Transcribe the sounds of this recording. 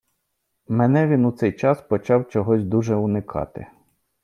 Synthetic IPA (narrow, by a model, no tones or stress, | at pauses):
mɛnɛʋʲinut̪sɛjt͡ʃɑspɔt͡ʃɑwt͡ʃɔɦɔsʲd̪uʒɛʊnɪkʰɑ̰t̪ɪ̰